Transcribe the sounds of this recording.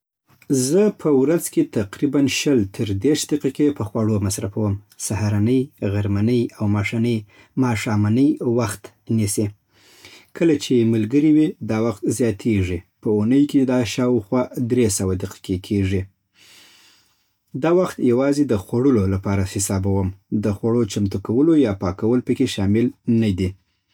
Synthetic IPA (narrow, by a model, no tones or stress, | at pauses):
zəpʰəwɾazket̪aqɾibanʃəlt̪ʰəɾd̪eɾʃd̪aqikepəxwaɽomasɾafawəm | sahaɾanəjɣaɾmanəjawmɑʂanəj | mɑʂɑmanəjwaxt̪ | nise | kʰəlat͡ʃemalɡəɾiwid̪ɑwaxt̪zjɑt̪ʰeʐipəunəjked̪ɑʃɑwxwɑd̪ɾesawad̪ɪqi̥kekʰeʐi | d̪ɑwaxt̪jawɑzed̪əxwaɽəlolapɑɾahɪsɑbawəmd̪əxwaɽot͡ʃamt̪ukawəlojɑpɑkawəlpəkeʃɑmɪlnad̪i